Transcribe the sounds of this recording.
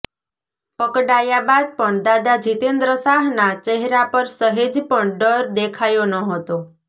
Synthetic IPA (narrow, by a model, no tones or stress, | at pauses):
pəkɖajabad̪̚pəɳd̪ad̪ad͡ʒit̪end̪ɾəsaɦnat͡ʃeɦɾapəɾsəɦed͡ʒpəɳɖəɾd̪ekʰajonəɦət̪o